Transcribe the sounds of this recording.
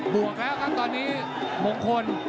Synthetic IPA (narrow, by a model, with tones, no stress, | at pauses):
bu˨˩ək̚lɛː˦˥wkʰa˦˥p̚t̪ɔː˧nːiː˦˥ | mo˨˩˦ŋkʰo˧n